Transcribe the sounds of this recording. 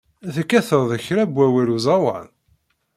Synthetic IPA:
θəkːæθəɾˤðˤəçɾæbwæwæluzˤɑwɑ̰n

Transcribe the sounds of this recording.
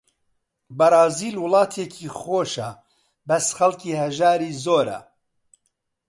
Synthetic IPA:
bɐɾˤɑːziːlwʊlˠɑːt̪ʰeːcʰiːxoːʃɐ | bɐsxɐlˠkiːhɐʒaːɾiːzoːɾɐ̰

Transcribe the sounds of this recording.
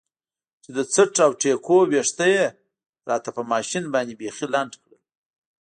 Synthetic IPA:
t͡ʃed̪ət͡səʈawʈekoweʂt̪əje | ɾɑt̪apəmɑʃinbɑnd̪ibexilaɳɖkɽəl

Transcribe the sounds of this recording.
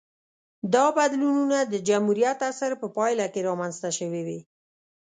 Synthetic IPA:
d̪ɑbad̪lununad̪əd͡ʒamhuɾijat̪asəɾpəpɑjlakeɾɑmanzt̪aʃəwewi

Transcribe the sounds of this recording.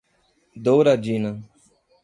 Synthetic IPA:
d̪owɾad͡ʒina

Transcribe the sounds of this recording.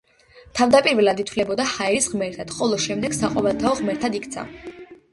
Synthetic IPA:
t̪ʰavd̪apʼiɾvɛlad̪it̪ʰvlɛbɔd̪ahaɛɾisʁmɛɾt̪ʰad̪̥χɔlˠɔʃɛmd̪ɛɡ̥saqʼɔvɛlˠt̪ʰaɔʁmɛɾt̪ʰad̪ikʰt̪sʰa̰

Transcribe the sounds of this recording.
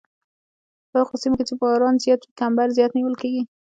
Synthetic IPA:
pəxosimoket͡ʃebɑɾɑnzjɑt̪ikambaɾzjɑt̪niwəlkeɡi

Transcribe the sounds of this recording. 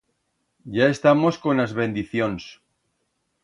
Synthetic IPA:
ɟ͡ʝaest̪amo̞sko̞nazβe̞nd̪iθjons

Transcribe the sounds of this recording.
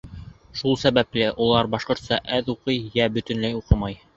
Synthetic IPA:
ʃulˠsæβæplɘʔulˠɑɾbɑʃqŏɾt̪sɑʔæðuqɤjjæbɵ̆t̪ɵ̆nlæjuqɤmɑj

